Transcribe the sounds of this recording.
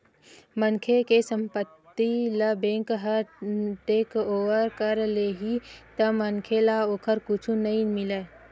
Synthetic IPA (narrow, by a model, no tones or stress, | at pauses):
mənkʰekesə̃mpət̪ːiləbẽŋkɦəɾʈeːkoːʋəɾkəɾleɦit̪əmənkʰelaoːkʰəɾkut͡ʃʰũnəɦĩmɪle